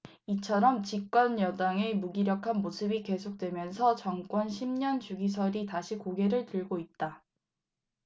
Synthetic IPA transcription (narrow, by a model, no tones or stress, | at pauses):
it͡ɕʰʌɾʌmt͡ɕik͈ʌnjʌdaŋe̞muɡiɾjʌkʰanmosʰɯbike̞sʰok̚t͈we̞mjʌnsʰʌt͡ɕʌŋk͈wʌnɕʰimɲʌnt͡ɕuɡisʰʌɾitaɕʰikoɡe̞ɾɯɭtɯɭɡoit̚t͈a